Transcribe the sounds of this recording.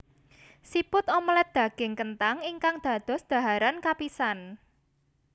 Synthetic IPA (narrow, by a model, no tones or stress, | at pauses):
sipʊt̪ɔmɔlɛt̪̚d̪̥ä̤ɡ̥ɪ̤ŋkənt̪aŋiŋkaŋd̪̥ä̤d̪̥ɔ̤sd̪̥a̤ɦaɾankapisan